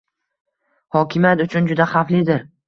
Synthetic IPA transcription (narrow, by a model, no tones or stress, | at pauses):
hɒkʲʰɪmjat̪ʊt͡ʃʰʊnd͡ʒʊd̪aχaflɪd̪ɪɾ